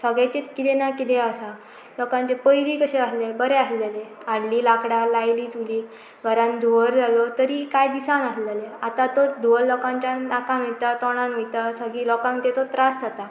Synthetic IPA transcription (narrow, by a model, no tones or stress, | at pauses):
səɡɭat͡ɕet̪kit̪enakit̪easal | lɔkãɲt͡ɕepəjɾikəɕeaslebəɾeasleleaɽliːlakɽalajliːt͡suliː | ɡʱəɾãnd̪ʱuʋəɾd͡zʱalɔt̪əɾikajd̪isãnasleleat̪at̪ɔd̪ʱuʋəllɔkãɲt͡ɕanakãmet̪at̪ɔɽ̃ãnojt̪asəɡilɔkãŋkt̪ɛt͡sɔt̪ɾasd͡zat̪a